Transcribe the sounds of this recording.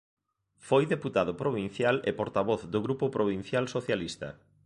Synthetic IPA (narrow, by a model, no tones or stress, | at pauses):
fojðeput̪aðʊpɾoβin̟θjalepoɾt̪aβ̞ɔθd̪oɣɾupʊpɾʔoβ̞in̟θjalsoθjalist̪ɐ̰